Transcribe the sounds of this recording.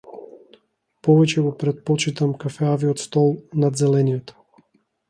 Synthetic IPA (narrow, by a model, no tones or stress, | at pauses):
pɔvɛt͡ʃɛɡɔpɾɛt̪̚pɔt͡ʃit̪amkafɛaviɔt̪st̪ɔlˠnad̪zɛlɛnijɔt̪